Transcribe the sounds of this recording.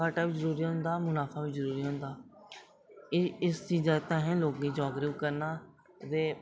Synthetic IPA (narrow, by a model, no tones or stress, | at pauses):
aːʈaːʋɪd͡ʒəɾuːɾiːɦʊ̃nd̪aːmʊnaːfʰaːʋɪt͡ʃzəɾuːɾiːɦʊ̃nd̪aː | ɪɪst͡ʃiːzaːt̪ãːɦɛ̃ːloːkːiːd͡ʒɔːɡɾiʋkəɾnaː | ɾeː